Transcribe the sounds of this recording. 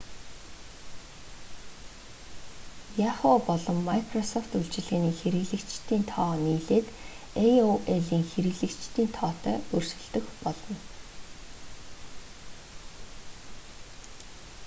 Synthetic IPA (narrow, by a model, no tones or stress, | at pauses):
jaχoːpɔɮɞ̆mːajkʰrɔsɔft̪uɮt͡ɕɪ̆ɮɣeːniːxeɾɘ̆ɣɮɘ̆kt͡ɕt̪iːnt̪ʰɔːniːɮeːt̪ | ejoʔeɮiːŋxeɾɘɣɮɘ̆kt͡ɕt̪iːnt̪ʰɔːt̪œːɵrʃɵ̆ɮt̪ɵ̆xpɔɮɞ̆n